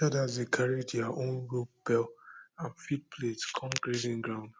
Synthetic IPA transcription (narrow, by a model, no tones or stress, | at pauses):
adazekʰaɹed͡ʒjaʔõnɹop̚bɛlãnfit̚pʰletkʰɔ̃mkɾizɪ̃ŋɡɾãʊ̃nd